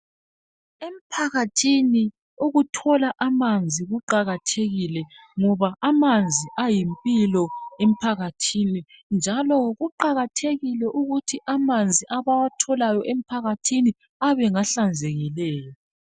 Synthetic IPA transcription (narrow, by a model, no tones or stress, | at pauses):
em̩pʰaɣatʰini | uɣutʰɔlaʔamand͡zʱiɣuǃaɣatʰeɣilɛŋɔβaʔamand͡zʱiʔajimpʼilɔem̩pʰaɣatʰinind͡ʒʱalɔɣuǃaɣatʰeɣilɛʔuɣutʰiʔamand͡zʱiʔaβawatʰɔlajɔʔem̩pʰaɣatʰini | aβɛŋaɬand͡zʱɛɣilɛːjɔ